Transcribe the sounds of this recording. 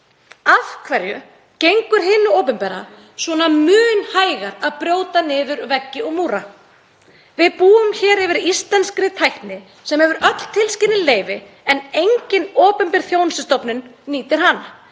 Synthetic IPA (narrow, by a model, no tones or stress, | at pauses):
afkʰvɛɾjʏ | cejŋkʏɾ̥ɦɪnːʏɔːpʏmpɛɾa̰ | svɔnamʏːnhaːjɣaɾaðpɾjoːwt̪anɪːðʏɾvɛcːɪɔɣmuːɾa | vɪðpuːʏmçɛːɾɛvɪɾist̪lɛnskɾɪt̪ʰajht̪nɪ | sɛmhɛvʏɾœt̪l̥t̪ʰɪlscɪlnɪleːjvɪ | ɛnejɲcɪnɔːpʏmpɪɾ̥θjoːwnsɪst̪ɔpnʏnːiːt̪ɪɾ̥ɦanːa